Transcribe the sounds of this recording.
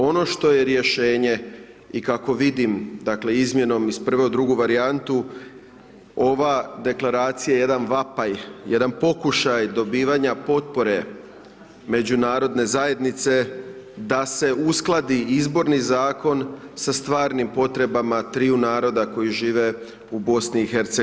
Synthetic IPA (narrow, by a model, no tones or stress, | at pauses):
o̞no̞ʃt̪o̞je̞ɾje̞ʃe̞ːɲe̞ | ikako̞ʋid̪imd̪akle̞izmje̞no̞mispr̩ʋeud̪ɾuɡuʋaɾiant̪u | o̞ʋad̪e̞klaɾaːt̪sijaeje̞d̪anʋapajjed̪anpo̞kuʃajd̪o̞biːʋaɲapo̞t̪̚po̞ɾe̞ | me̞d͡ʑunaːɾo̞d̪ne̞zaje̞d̪nit̪se̞ | d̪ase̞usklˠad̪iizbo̞ɾnizaːko̞nsast̪ʋaːɾnimpo̞t̪ɾe̞bamat̪ɾiunaːɾo̞d̪ako̞jiʒiːʋe̞ | ubo̞sniːxe̞ɾt̪se